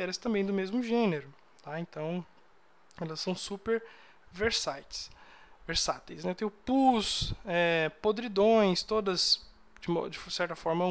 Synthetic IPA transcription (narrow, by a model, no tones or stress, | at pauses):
ɛɾɐst̪ɐ̃mbẽj̃d̪ʊmezmʊʒẽneɾʊ | t̪aẽnt̪ɐ̃w̃ | ɛlɐsːɐ̃w̃supeɾ | veɾsajt͡ʃɪ̥sveɾsat̪ejsnɛt̪ẽj̃ʊpusɛpod̪ɾid̪õj̃st̪od̪ɐz | d͡ʒɪmɔd͡ʒɪsɛɾt̪ɐfɔɾmɐ